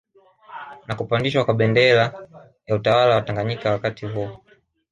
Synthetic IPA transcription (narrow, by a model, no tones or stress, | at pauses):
nakupandiʃwakwaɓɛndɛla | jautawalawataŋɡaɲikawakatʰivɔ